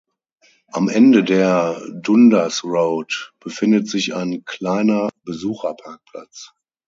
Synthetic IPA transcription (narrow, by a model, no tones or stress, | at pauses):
ʔamʔɛndədeːɐdʊndasʁoʊtb̥əfɪndətz̥ɪça̰ɪnkʰl̥aɪnɐbəzuːxɐpʰaɐk̚pʰl̥a̰t͡s